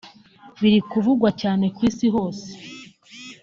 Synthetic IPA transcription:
βiɾikuvuɡwacaːne̞kwiːsiɦo̞ːse̥

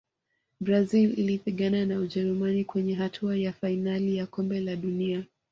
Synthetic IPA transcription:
bɾazililipiɠananauʄɛɾumanikwɛɲɛɦatʰuajafainalijakɔmbɛlaɗunia

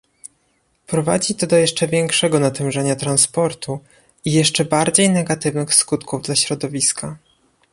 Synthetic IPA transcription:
pɾɔva̰d͡ʑit̪ɔd̪ɔjɛʂt͡ʂɛvʲjɛŋkʂɛɡɔnat̪ɛw̃ʐɛɲat̪ɾanspɔɾt̪u | ijɛʂt͡ʂɛbaɾd͡ʑejnɛɡat̪ɘvnɘxskut̪kuvd̪laɕɾɔd̪ɔvʲiskʰa

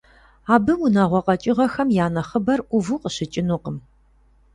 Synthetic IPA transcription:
aːbɨwunɐʁʷɔqʼɐt͡ʃʼɪʁɐxɐmjaːnɐχəbɐrʔʷʊvuqəɕɪt͡ʃʼɪnuqəm

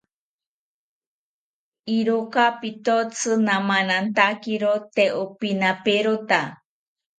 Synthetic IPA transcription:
iɾokapit̪ot͡sʰɨnãmanant̪akiɾot̪eʔopinapeɾot̪a

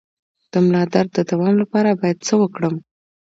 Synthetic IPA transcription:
d̪̥əmlɑd̪aɾd̪əd̪awɑmlapɑɾabɑjad̪̚t͡səwəkɽəm

